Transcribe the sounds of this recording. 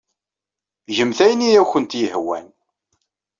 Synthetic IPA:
ʒəmθæjnijæwçənt̪jəhwæ̰n

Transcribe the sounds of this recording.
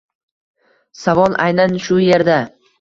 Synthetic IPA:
savɒlˠʔajnanʃʊje̞ɾd̪a

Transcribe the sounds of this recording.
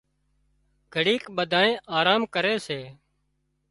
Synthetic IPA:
ɡʱəɽiːkɓəd̪ʱaːẽːʔaːɾaːmkəɾeːseː

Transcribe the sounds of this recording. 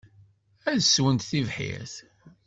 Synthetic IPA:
æðswənt̪θivħḭθ

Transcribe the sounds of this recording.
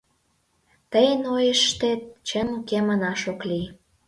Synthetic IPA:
t̪əjənojə̆ʃt̪et̪̚t͡ɕəmkemənɑʃokli

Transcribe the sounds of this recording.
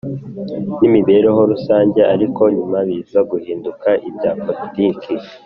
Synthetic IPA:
nimiβe̞ɾeɦo̞ɾusaːɲɟe̞ʔaɾiko̞ɲumaβiːzaɡuhiːndukaʔibɟaːpoitiːkʰi

